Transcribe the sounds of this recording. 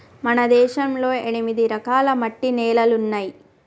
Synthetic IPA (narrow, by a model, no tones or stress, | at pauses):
mɐnɐd̪ɛːʃɐmlo̞ːeɳimid̪iɾɐkaːlɐmɐʈːinɛːlɐlunːaːji